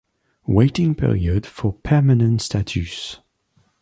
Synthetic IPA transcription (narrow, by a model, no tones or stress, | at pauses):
weɪtɪ̃ŋpʰɪ̰ɹḭəd̥fəpʰɛmanə̃ntstʰat͡ʃʰʉs